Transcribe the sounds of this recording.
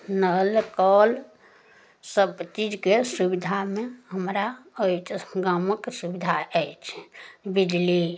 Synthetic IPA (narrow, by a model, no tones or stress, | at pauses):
nəlkɔl | səbt͡ʃid͡ʒkesubid̪ʱameɦəmɾaojt͡ʃʰɡaməksubid̪ʱaɛit͡ʃʰbid͡ʒli